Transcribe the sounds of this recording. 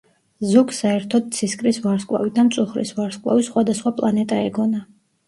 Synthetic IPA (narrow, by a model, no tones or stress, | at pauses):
zuɡsaɛɾt̪ʰɔd̪̥̚t̪sʰiskʼɾisvaɾskʼwa̰vid̪amt̪sʼuχɾḭsvaɾskʼwa̰visχwad̪asχwapʼlˠanɛt̪ʼaɛɡɔna